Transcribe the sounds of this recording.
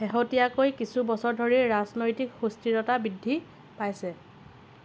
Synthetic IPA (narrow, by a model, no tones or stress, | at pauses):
xeɦotijakojkisubɔsɔɹdʱoɹiɹaznojtikxustiɹɔtabɹidʱːi | pajsɛ